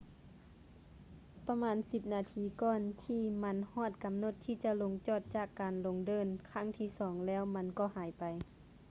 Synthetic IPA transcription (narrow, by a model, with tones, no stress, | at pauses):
pa˧maː˧˥nsi˧p̚naː˨˧t̪ʰiː˧kɔː˧˩nt̪ʰiː˧˩ma˧˥nhɔː˧˥˩t̪̚ka˨mno˧˥t̪ʰːiː˧˨t͡ɕa˧˦lo˧ŋt͡ɕɔː˧˩t̪̚t͡ɕaː˧˩kːaː˨nlo˧ŋdɤː˧˨nkʰa˧˥˨ŋt̪ʰiː˧˩˨sɔː˨˦ŋlɛː˧˥˨wma˧˥nkɔː˧˨haː˨˩˦jpa˨j